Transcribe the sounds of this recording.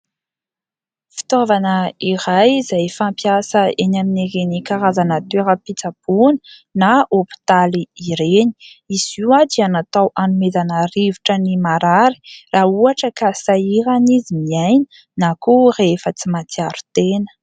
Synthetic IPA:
fi̥t̪ovanəiɾajzajfampjasəenamineɡenikaɾazanət̪eɾəpit͡sapuninaopi̥t̪aliiɾeni̥iziwad͡ʒianat̪awʔanumezanərivuʈ͡ʂənimaɾaɾi̥raːuaʈ͡ʂəkasaiɾanizimiajni̥ | nakurefət͡simat̪iaɾu̥t̪enə̥

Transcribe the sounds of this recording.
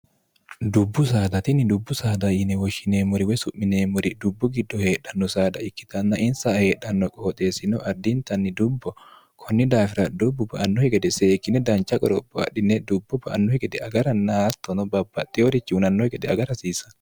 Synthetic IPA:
d̪ubːʊsaːd̪ɐt̪inid̪ubːʊsaːd̪ɐjinɛwɔʃɪneːmɔɾiwɛsʊʔːɪneːmɔɾid̪ʊbːɔɡid̪ːɔheːɗːɐnːɔsaːd̪ɐɪkːɪ̥t̪ɐnːaʔɪnsaheːɗːɐnːɔkʼoːt̪ʼeːsɪnɔʔɐd̪ːint̪ɐnːid̪ubːɔ | kʰɔnːid̪aːfɪɾɐd̪ubːubɐʔɐnːɔhɛɡɛd̪ɛseːkːɪnɛd̪ɐnt͡ʃɐkʼɔɾɔbːɔa̰ɗɪnɛd̪ubːɔbɐʔa̰nːɔhɛkɛd̪ɛaɡɐɾɐnːat̪ːɔnɔbɐbːɐt̪ʼːɛɔɾit͡ʃːiunɐnːɔhɛkʼɛd̪ɛɐɡɐɾɐsiːsɐ̥

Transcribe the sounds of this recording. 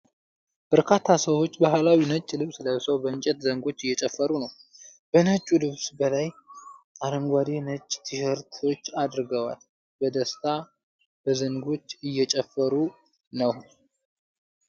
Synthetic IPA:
b̥əɾkʰat̪ʰːasəwo̞t͡ʃːbaɦlawinət͡ʃʼːlɨβsɨləjsəwbəɨnt͡ʃʼɛt̪zəŋɡo̞t͡ʃːɨjːɛt͡ʃʼɛfːəɾunəwb̥ənət͡ʃʼːulɨβsbəlaj | aləmɡʷad̪e̞nət͡ʃʼːt̪ʰɨhəɾt̪ʰo̞t͡ʃːad̪ɾɡəwa̰l | bəd̪əst̪ʰa | bəzəŋɡo̞t͡ʃːɨjːɛt͡ʃʼɛfːəɾu | nəw

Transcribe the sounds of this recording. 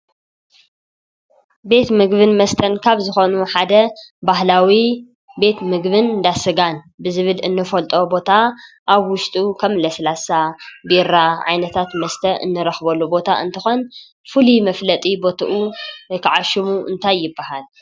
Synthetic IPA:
be̞t̪mɨɡβɨnmɐst̪ʰɐnkʰaβzɨxo̞nuħad̪ɐbaɦlawi | be̞t̪mɨɡβɨnd̪asɨɡan | bɨzɨβɨlɨnːɨfɐlt̪ʼo̞bo̞t̪ʰa | ʔaβwʊʃt̪ʼukʰɐmlɐslasabiɾaʕa̰jnɐt̪ʰat̪mɐst̪ʰɐʔɨ̰nːɨɾɐxbɐlːubo̞t̪ʰa̰ʔɨ̰nt̪ʰɨxo̞n | fulimɐflɐt̪ʼibo̞t̪ʰɐʔukʰɨʕaʃimuʔɨ̰nt̪ʰajːɪbːaɦal

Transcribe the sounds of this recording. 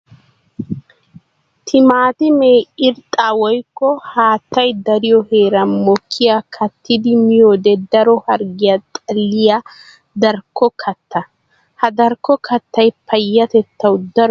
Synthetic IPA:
t̪ʰɪmaːt̪ɪmeːɪɾt̪ʼaːwɔjkːɔhaːt̪ːɐjd̪ɐɾɪjɔhe̞ːɾɐnmɔkʰːɪjakʰɐt̪ːɪd̪ɪmɪjoːd̪ɛd̪ɐɾɔhɐɾɡɪjat̪ʼɐlːɪja | d̪ɐɾkʰːɔkʰɐt̪ːɐ | hɐd̪ɐɾkːɔkʰɐt̪ːɐjpʰɐjːɐt̪ɛt̪ːɐwd̪ɐɾɔ

